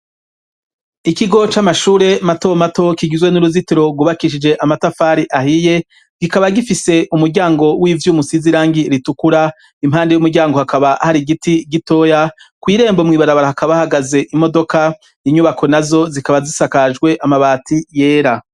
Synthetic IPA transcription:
ikiɡo̞t͡ʃamaʃuːɾe̞mato̞mato̞kiɟizwe̞nuɾuzitiɾo̞bɡwuβakiʃ̬id͡ʒe̞ʔamatafaːɾiʔahije̞ | ɡ̥ikaβaɡifise̞ʔumuɾɟaːŋɡo̞wivjuːmusiziɾaːŋɡiɾitukuɾa | imɦaːndejumuɾɟaːŋɡo̞hakaβahaɾiɡitiɡito̞ːjakwiːɾe̞ːmbomŋiːβaɾaβaɾahakaβahaɡaze̞ʔimo̞do̞ka | iɲuβakʰo̞nazo̞zikaβazisakad͡ʒɡwe̞ʔamaβaːtije̞ːɾa

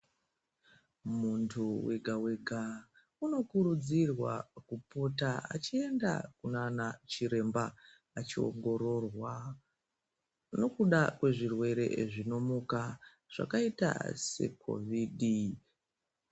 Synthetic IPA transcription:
muntʰuwe̞ɡʱawe̞ɡʱa | uno̞kuɾud͡zirwa̰kupo̞taa̰t͡ʃie̞nda̰kunanat͡ʃiɾe̞mba | at͡ʃio̰ŋɡo̞ɾo̞rwa | no̞kuɗakwe̞ʐirwe̞ɾe̞̰ʐino̞muka | ʐ̥a̰kaita̰se̞̰kʰo̞̰vidi

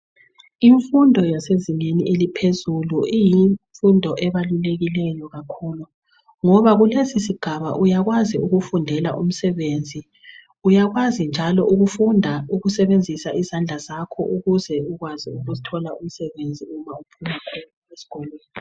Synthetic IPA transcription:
iɱfundʱɔjaseziŋeniʔelipʰezuluʔijiɱfundʱɔʔɛβaluleɣilɛjɔɣakʰuːlu | ŋɔβaɣulesisiɡ̥ʱaβa̰ʔujaɣwaziuɣufundʱɛlaʔum̩sɛβend͡zʱi | ujaɣwazind͡ʒʱalɔʔuɣufundʱauɣusɛβend͡zʱisaʔizand͡ɮʱazakʰɔ̰ʔuɣuzɛuɣwaziuɣuzitʰɔlaum̩sɛβend͡zʱiumaupʰumakʰɔn | esi̥ɡ̥ʱɔlɛːni

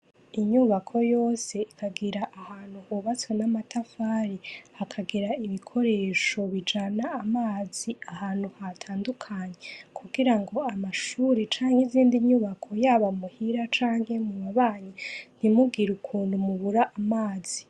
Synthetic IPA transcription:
iɲuːβakʰo̞jo̞ːse̞ikʰaɡiɾaʔːhaːn̥huhuβat͡sonamatafaɾihakʰaɡiɾaiβikʰo̞ɾe̞ːʃo̞βid͡ʒanaːmaːziahaːn̥huhatʰaːndukʰaːɲekʰuɡiɾaŋɡo̞amaʃuːɾet͡ʃaːŋheiziːndiɲuːβakʰo̞jaːβamuhiɾat͡ʃaːŋhe̞muβaβaːɲin̥imuɡiɾukʰuːndumuβuɾaʔːmaːz̥i

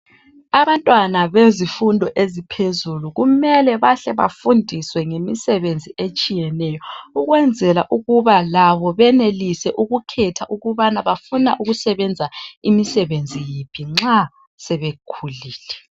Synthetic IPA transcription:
aβantʼwanaβezifundʱɔʔezipʰezuluɣumɛlɛβaɬɛβa̰fundʱiswɛŋemisɛβend͡zʱiet͡ʃʼijɛnɛjɔuɣwɛnd͡zʱɛlaʔuɣuβalaβɔβɛnelisɛʔuɣukʰɛtʰaʔuɣuβanaβafunaʔuɣusɛβɛnd͡zʱaimisɛβend͡zʱijipʰiŋ͡ǁa | sɛβekʰuliːlɛ

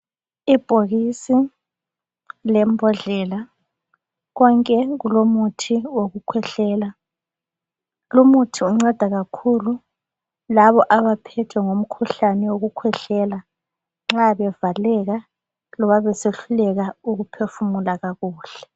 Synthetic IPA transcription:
ib̥ʱoɣisi | lɛmbʱɔɮɛla | ɣɔŋkʼɛɣulomutʰiwoɣukʰwɛɬɛːla | lomutʰiuŋ͡ǀɛd̥ʱaɣakʰulu | laβɔʔaβapʰɛtʰwɛŋom̩kʰuɬanɛwoɣukʰwɛɬɛla | ŋ͡ǁaβɛvalɛɣa | lɔβaβɛseɬulɛɣauɣupʰefumulaɣaɣuːɬɛ̥

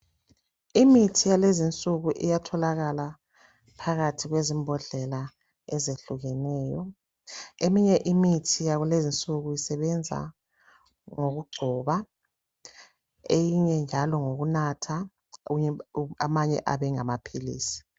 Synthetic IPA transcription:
imitʰijalezint͡sʼuɣuʔḭjatʰɔlaɣala | pʰaɣatʰiɣwezimbʱɔɮɛla | ɛzeɬuɣɛnɛːjɔ̰ | emiɲɛʔimitʰijaɣulezint͡sʼuɣujisɛβɛnd͡zʱa̰ | ŋoɣuɡ͡ǀʱɔːβa | ejiɲɛnd͡ʒʱalɔŋoɣunatʰa | uɲɛamaɲɛ̰ʔa̰βɛŋamapʰilḭːsi̥

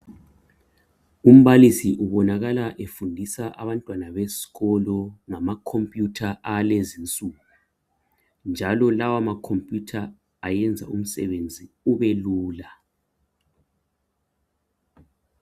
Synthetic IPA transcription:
um̩βalisiʔuβɔnaɣalaʔefundʱisaʔaβantʼwanaβesi̥ɣɔlɔŋamakʰompʼjutʰaʔalezint͡sʼuɣu | nd͡ʒʱalɔlawamakʰompʼjutʰaː | jɛnd͡zʱa̰um̩sɛ̰βend͡zʱi | uβɛluːla

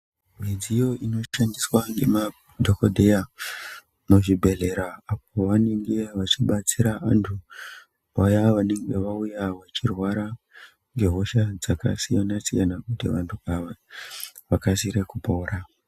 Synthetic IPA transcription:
mid͡zijo̞ino̞ʃandiswaŋɡe̞ma | dʱokodʱe̞ja | moʐibʱe̞ɮe̞ɾaːp̚o̞ʋane̞ŋɡe̞ʋat͡ʃiɓat͡siɾaantʰu | ʋajaʋane̞ŋɡe̞ʋaujaʋat͡ʃirwaɾa | ŋɡe̞ɦo̞ʃad͡zaka̰sijanasijanakutiʋantʰuaʋa | ʋakasiɾe̞kupo̞ːɾa

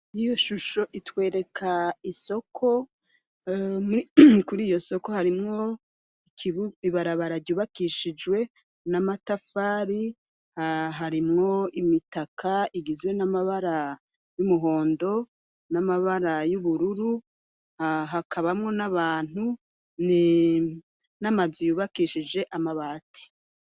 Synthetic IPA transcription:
ijoʃuʃo̞ʔitwe̞ːɾe̞kʰaiso̞kʰo̞ | mkuɾiːjo̞so̞ko̞haɾimŋo̞ | ikiβiβaɾaβaɾaɟɟuβakiʃid͡ʒwe̞ | namatafaːɾi | hɦaɾimŋo̞imitakʰaiɡizwe̞namaβaɾa | jumuɦo̞ːndo̞ | namaβaɾajuβuɾuɾu | ɦakʰaβamŋo̞naβaːn̥u | ni | namazujuːβakiʃid͡ʒe̞ʔamaβaːti̥

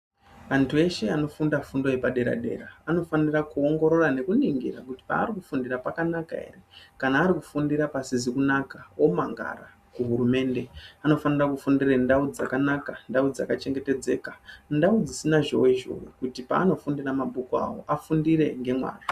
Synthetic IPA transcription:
ʋantʰue̞ʃe̞ano̞fundafundo̞jepaɗe̞ɾa̰ɗe̞̰ːraano̞fanirakuo̞ŋɡo̞ɾo̞rane̞kuniŋɡḭɾa̰kuti̥pa̰ːɾikufundirapakanaka̰e̞̰rekanaːɾiku̥fundiɾapasizikunakawo̞ma̰ŋɡa̰ra | kuɦuɾume̞ːnde̞ano̞fanirakufundirendaud͡za̰kanakandaud͡za̰kat͡ʃe̞ŋɡe̞te̞d͡ze̞̰kandaud͡zisinaʐo̞̰weʒo̰wḛkutipa̰ːno̞fundiramaɓukua̰wo̰ʔafundiɾe̞ŋɡe̞mwa̰ːra

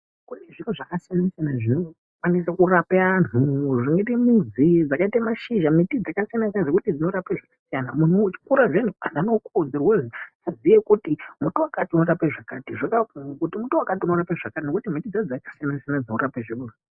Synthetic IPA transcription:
kune̞ʐinuʐakasijanasijanaʐino̞ | kwanisakurapean̤uʐineitemizid͡zakaitamaʃiʒamitid͡zakasijanasinʐekutid͡zino̞ɾapeʐakḁsijanamunut͡ʃi̥kuɾaʐen̤uananokod͡zirwezi | azijekutimutuwakatiuno̞ɾapeʐakatiʐokakuŋokutimutuwakatiuno̞ɾapeʐakatino̞kutimitid͡zad͡zakasijanasijanad͡zinoɾapeʐiuru

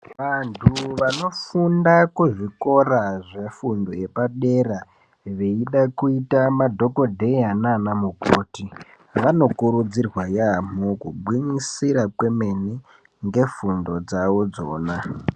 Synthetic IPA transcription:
ʋantʰuʋano̞fundakuʐiko̞raʐefundo̞je̞paɗera | ʋe̞iɗakuitamadʱo̞ko̞dʱe̞ananamukoːti | ʋano̞kuɾud͡zirwajam̤okubwinisiɾakwe̞me̞ni | ŋɡe̞fundo̞d͡zaʋo̞d͡zo̞̰ːna

